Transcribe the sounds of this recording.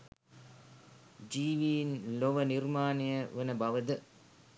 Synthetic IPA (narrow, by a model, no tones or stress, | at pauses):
d͡ʒiːʋinloʋɐniɾmaːnijɐʋenɐbɐʋɐd̪ɨ